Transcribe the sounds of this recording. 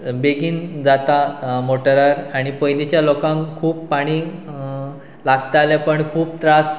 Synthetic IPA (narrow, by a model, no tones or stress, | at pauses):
beɡiːnd͡zat̪amoʈəɾaɾaɽ̃ipəjnit͡ɕjalokãŋkʰuːpːaɽ̃iː | laɡt̪aalẽpəɳkʰuːp̚t̪ɾas